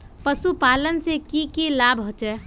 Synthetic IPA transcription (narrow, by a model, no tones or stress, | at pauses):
pəsupaːlənsekikilaːbɦot͡ʃɛ